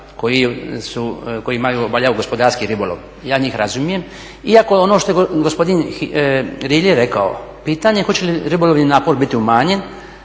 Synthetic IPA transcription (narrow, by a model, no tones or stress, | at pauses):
kojisukoiimajuobaʎauɡospo̞d̪aɾskiɾibolˠo̰ʋ | jaːɲiːxɾazumije̞m | iako̞o̞noʃt̪o̞jeɡospo̞d̪in | ɾiːljeɾe̞kao̰piːt̪aɲe̞xo̞t͡ɕe̞liɾibolˠoʋninaːpo̞ɾbit̪iumaːɲe̞n